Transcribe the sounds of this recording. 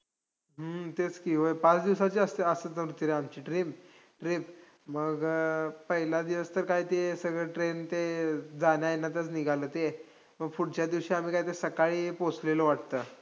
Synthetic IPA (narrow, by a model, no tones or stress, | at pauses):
ɦət̪et͡skiɦojpat͡sd̪iʋsat͡ɕiːəsəəsət̪əʋɾut̪ːiɾeamt͡ɕiːʈɾim | ʈɾip | məɡpəɦilad̪iʋəst̪əɾkaɦiːt̪esəɡɭəʈɾent̪ed͡zanjaenːat̪ət͡sniɡʱalət̪e | məɡfuɽt͡ɕjad̪iʋɕiam̤iːkaɦit̪esəkaɭiːpot͡sleləʋaʈ̚t̪əː